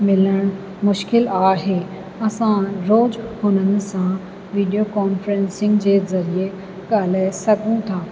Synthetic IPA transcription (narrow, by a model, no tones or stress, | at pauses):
mɪləɽ̃ | mʊʃkɪlaːɦe | ɐsãɾoːd͡ʑhʊnənɪ̆sã | ʋiːɖijokɔːnfɾẽnsɪ̃ŋɡd͡ʑeːzɐɾie | ɡaːl̤aːɪsɐɡʱũt̪ʰaː